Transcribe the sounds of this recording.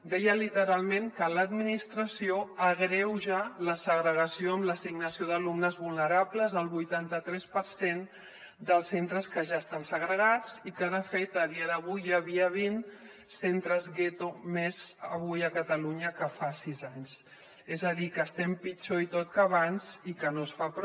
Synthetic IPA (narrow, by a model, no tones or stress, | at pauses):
d̪ɛjəlit̪əɾalˠmẽŋkələd̪minist̪ɾəsioəɣɾɛwʒaləsəɣɾəɣəsioəmləsiɡnəsioðəlumnəzβulˠnəɾapləzəlˠβujt̪ant̪ət̪ɾɛspəɾsen | d̪əlˠsent̪ɾəskəʒaəst̪ansəɣɾəɣat͡sikəðəfet̪əðiəðəβujjaβiəβin | sent̪ɾəzɣet̪omezəβujəkət̪əluɲəkəfasizaɲs | ezəðikəːst̪ɛmpit͡ʃoit̪ot̪̚kəːβanzikənosfapɾ